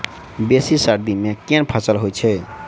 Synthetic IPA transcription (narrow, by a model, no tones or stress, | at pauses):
besisaɾd̪imekenpʰəsəlɦojt͡ʃʰɛ